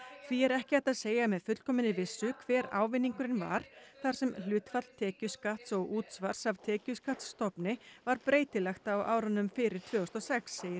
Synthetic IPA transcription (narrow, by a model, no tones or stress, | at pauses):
θviɛɾɛhcɪajt̪aðseːjamɛðfʏt̪l̥kʰɔːmɪnɪvɪsːʏkʰvɛːɾa̰ːwvɪnːiŋkʏɾɪnva̰ɾ̥θaɾ̥sɛml̥ʏːt̪fat̪l̥t̪ʰɛːcʏskaht̪sɔɣuːt̪svaɾ̥sav̥t̪ʰɛːcʏskat̪sːt̪ɔpnɪvaɾpɾeːjt̪ɪlɛxt̪aːwʔaːwɾanʏmfɪɾɪɾ̥t̪ʰvœːɔst̪ɔsɛksːeːjɪɾ